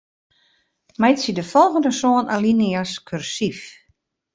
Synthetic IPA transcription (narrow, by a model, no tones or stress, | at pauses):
mɛjtsidəfɔlˠɣəndəsoːənaliniaskʰørsif